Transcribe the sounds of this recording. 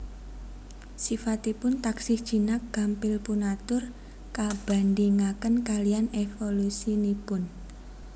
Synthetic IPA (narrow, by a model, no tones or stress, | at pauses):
sifat̪ipʊnt̪aksɪsd̥ʒ̥i̤nak̚ɡ̥a̤mpɪlpunat̪ʊr | kab̥a̤nd̪iŋakənkalijanefolusinipʊn